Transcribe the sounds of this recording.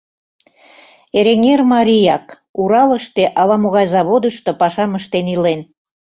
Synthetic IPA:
eɾeŋʲermɑɾʲijɑk | uɾɑləʃt̪eʔɑlɑmoɣɑjzɑβod̪əʃt̪opɑʃɑməʃt̪enilen

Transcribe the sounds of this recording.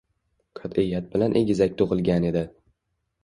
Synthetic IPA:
kʰɒt̪ʰɪjːat̪̚bɪlanʔeɡʲɪzakʲt̪ʰoʁɨlɡʲane̞d̪ɪ

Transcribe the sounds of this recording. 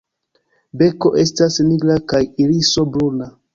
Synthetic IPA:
be̞ko̞ʔe̞stasniɡɾakajiɾiso̞bɾuna

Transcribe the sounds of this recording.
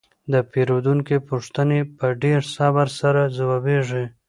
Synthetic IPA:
d̪əpeɾod̪uŋkepuʂt̪ənepəɖeɾsabaɾsaɾazawɑbeʐi

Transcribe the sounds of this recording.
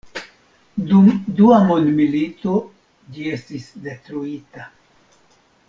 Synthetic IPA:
dumduamondmilito̞ | d͡ʒie̞stisde̞tɾuita

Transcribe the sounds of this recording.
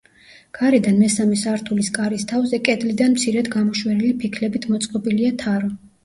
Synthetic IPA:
ɡ̥aɾɛd̪anmɛsamɛsaɾt̪ʰuliskʼaɾist̪ʰavzɛkʼɛd̪lid̪anmt̪sʰiɾɛd̪ɡamɔʃwɛlilipʰikʰlɛbit̪ʰmɔt̪sʼqʼɔbiliat̪ʰaɾɔ

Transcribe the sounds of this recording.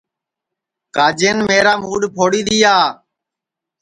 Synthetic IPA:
kaːd͡ʒeːnmeːɾaːmuːɖpʰoːɽiːd̪iːjaː

